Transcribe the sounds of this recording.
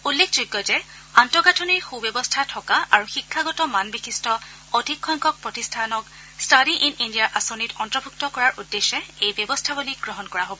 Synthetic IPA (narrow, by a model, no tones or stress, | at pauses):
ulːekʰd͡ʒujɡːɔzɛ | antɔɡatʰɔniɹxubɔbɔstʰatʰɔkaʔaɹuxikʰːaɡɔtɔmanbikʰistʰɔ | ɔdʱikʰːɔŋkʰɔk̚pɹɔtistʰanɔk | staɾiʔinindijaɹʔasonitɔntɹɔbʱuk̚tɔkɔɹaɹʔudːeʃɛejbjɔbɔstʰabuliɡɹɔɦɔnkɔɹaɦobɔ